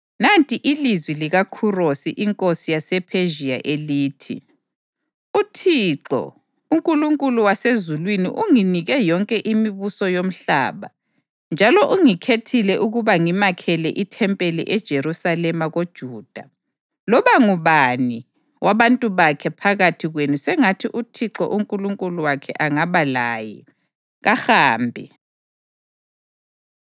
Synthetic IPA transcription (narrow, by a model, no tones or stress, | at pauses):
nantʼiʔilizwiliɣakʰurosiʔiŋkʼosijasɛpʰeʒiaʔeliːtʰḭ | utʰiːǁɔ̰ | uŋkʼuluŋkʼuluwasezulwinḭʔuŋiniɣɛjɔŋkʼɛʔimiβusɔjom̩ɬa̰ːβa̰ | nd͡ʒʱalɔʔuŋikʰetʰilɛʔuɣuβaŋimakʰɛlɛʔitʰɛmpʼɛlɛ̰ʔɛd̥ʒ̥ʱeɾusalɛmaɣod̥ʒ̥ʱuːd̥ʱa | lɔβaŋuβani | wʔaβantʼuβakʰɛpʰaɣatʰiɣwenusɛŋatʰiʔutʰiǁɔ̰ʔuŋkʼuluŋkʼuluwakʰɛ̰ʔaŋaβalaːjɛ | ɣaxaːmbʱi